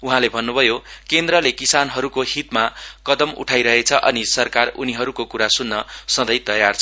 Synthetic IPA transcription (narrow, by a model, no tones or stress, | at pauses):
uɦãlebʱʌnːubʱʌjokend̪rʌlekisanɦʌɾukohit̪makʌd̪ʌmṵʈʰajɾʌɦet͡sʰʌʔʌ̰nisʌrkaruniɦʌɾukokuɾasunːʌsʌ̃d̪ʌjt̪ʌjart͡sʰʌ